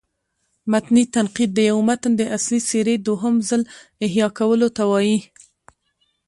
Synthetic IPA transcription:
mat̪nit̪anqid̪̚ːəjawmat̪ənd̪əʔasliseɾed̪oɦəmzəlɪɦjɑkawəlot̪awɑji

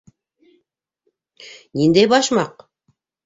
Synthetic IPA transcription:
nind̪ejbɑʃmɑq

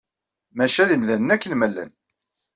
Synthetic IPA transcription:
mæʃæðimðænənækːənmælːæ̰n

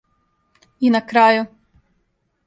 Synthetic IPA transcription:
inakɾaːju

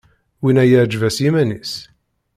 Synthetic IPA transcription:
winæjəʕd͡ʒvæsimænis

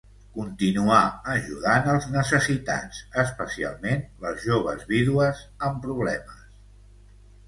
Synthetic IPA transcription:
kunt̪inuaəʒuðanəlˠznəsəsit̪a̰zəspəsia̰lˠmenləzʒoβ̞ə̰zβiðuəzəmpɾuβ̞lɛməs

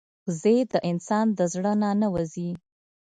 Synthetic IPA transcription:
zed̪əʔɪnsɑnd̪əzɽənanawazi

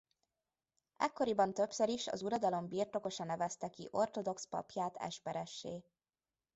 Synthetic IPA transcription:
ɛkːo̞ɾibɒnt̪ø̞psøɾiʃɒ̰zuɾɒd̪ɒlo̞mbirt̪o̞ko̞ʃɒnɛvɛst̪ɛkiʔo̞rt̪o̞d̪o̞kspɒ̰pjaːt̪ɛ̰ʃpɛɾɛʃːeː

